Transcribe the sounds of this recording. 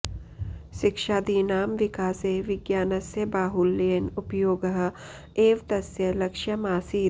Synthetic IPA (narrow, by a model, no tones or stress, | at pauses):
ʃɪkʃaːd̪iːnaːmʋɪkaːseːʋɪɡjaːnɐsjɐbaːɦulːeːnʊpjoːɡɐɦ | eːʋt̪ɐsjɐlɐkʃjɐmaːsiː